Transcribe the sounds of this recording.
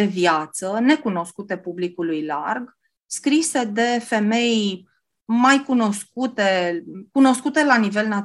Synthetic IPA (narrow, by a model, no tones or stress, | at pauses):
evjat̪səne̞kuno̞skut̪e̞publikulujla̰rɡ | skɾise̞d̪e̞fe̞me̞j | majkuno̞skut̪e̞kuno̞skut̪e̞lanive̞lna